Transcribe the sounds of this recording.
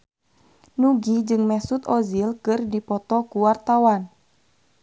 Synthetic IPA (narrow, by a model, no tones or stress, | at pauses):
nuɡid͡ʒɨŋmɛsut̪ɔzilkɨrdipɔt̪ɔkuwart̪awan